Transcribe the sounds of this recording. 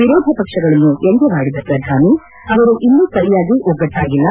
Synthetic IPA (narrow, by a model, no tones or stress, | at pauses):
ʋiɾoːd̪ʱɐpɐkʂɐɡɐɭɐnːueŋɡ̪ɛʋaːɽid̪ɐpɾɐd̪ʱaːni | ɐʋɐɾuʔinːusɐɾijaːɡiʔɔɡɐʈ̪ʰːaːɡilːɐ